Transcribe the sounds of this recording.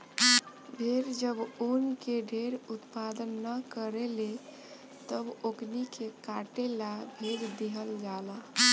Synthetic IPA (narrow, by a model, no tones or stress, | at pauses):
bʱeɾd͡ʒəbonkeɖʱeɾut̪pad̪ənːəkəɾele | t̪əboɡnikekaʈelabʱed̪d̪iɦəld͡ʒalə